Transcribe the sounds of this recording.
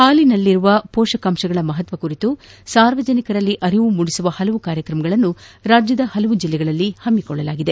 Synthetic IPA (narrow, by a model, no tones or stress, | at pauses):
haːlinɐlːiɾuʋɐpɔːʂɐkɐmʂɐɡɐɭɐmɐɦɐt̪ʋɐkuɾit̪usaːɾʋɐd͡ʒɐnikɐɾɐlːiʔɐɾiʋumuɽisuʋɐhɐlɐʋukaːɾjɐkɾɐmɐɡɐɭɐnːuɾaːd͡ʒjɐd̪ɐhɐlɐʋud͡ʒilːɛɡɐɭɐlːihɐmːikɔɭːɐlaːɡid̪e̞